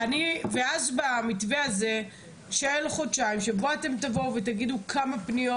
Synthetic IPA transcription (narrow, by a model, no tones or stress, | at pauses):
aniveazbamitveaze̞ | ʃaelχo̞dʃaimʃe̞bo̞ate̞mt̪avo̞uvetaɡidukʰamapnijo